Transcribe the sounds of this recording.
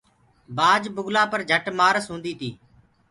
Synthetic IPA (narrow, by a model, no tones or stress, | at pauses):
baːd͡ʒbʊɡlaːpəɾd͡ʒʱəʈmaːɾsɦũːnd̪iːt̪ʰiː